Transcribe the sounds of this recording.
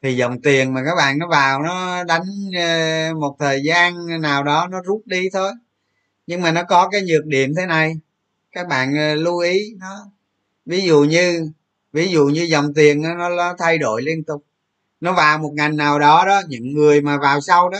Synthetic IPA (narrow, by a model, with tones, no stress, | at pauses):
t̪ʰi˨˩zə̰˨˩wŋ͡mt̪i˨˩ənmaː˨˩kaː˦˥k̚ɓa̰ː˧˨nːɔ˨˦vaː˨˩wnɔ˨˦ɗa˨˦jŋ̟˧ | mo˨˩t̚t̪ʰəː˨˩jzaː˧nnaː˨˩wɗɔ˨˦nɔ˨˦zu˦˥p̚ɗi˧t̪ʰo˧j | ɲɨ˧ŋmaː˨˩nɔ˨˦kɔ˨˦kaː˨˦jɲɨ˨˩ək̚ɗḭ˧˨əmt̪ʰe˨˦na˨˩j | kaː˦˥k̚ɓa̰ː˧˨n˨lu˧ʔi˨˦nɔ˨˦ | vi˨˦zṵ˧˨ɲɨ˧ | vi˨˦zṵ˧˨ɲɨ˧zə˨˩wŋ͡mt̪i˨˩ənːɔ˨˦nɔ˨˦lɔ˨˦t̪ʰa˧jɗo̰˧˨jli˧ənt̪ʊ˨˩k͡p̚ | nɔ˨˦vaː˨˩wmo˨˩t̚ŋa˨˩jŋnaː˨˩wɗɔ˨˦ɗɔ˨˦ɲɨ̰˧˥ŋːɨ˨˩əjmaː˨˩vaː˨˩wsa˧wɗɔ˨˦